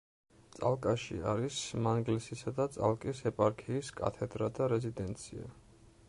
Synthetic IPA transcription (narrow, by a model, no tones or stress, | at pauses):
t̪sʼa̰lˠkʼaʃḭa̰ɾismanɡlɛsisad̪at̪sʼa̰lˠkʼisɛpʼaɾkʰiːskʼa̰t̪ʰɛd̪ɾad̪aɾɛzid̪ɛnt̪sʰḭa̰